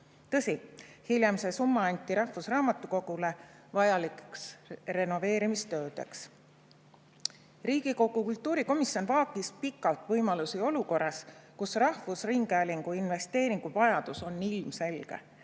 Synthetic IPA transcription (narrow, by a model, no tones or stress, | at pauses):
t̪ɤsihiljemse̞sumːɑɑnʲt̪ˑːiɾɑhvusrɑːmɑt̪ːˑuko̞ɡ̥ule̞ | vɑjɑlikksre̞no̞ve̞ːɾimist̪ø̞ːd̪̥e̞̰ks | riːɡ̥iko̞ɡ̥ukult̪ːˑuːɾiko̞misonvɑːkːˑispikːˑɑlt̪vɤjmɑlusio̞luko̞rːɑskusrɑhvusriŋɡæːliŋɡ̥uinve̞st̪e̞ːɾiŋɡ̥uvɑjɑd̪̥uso̞nːilmse̞lɡ̥e̞̰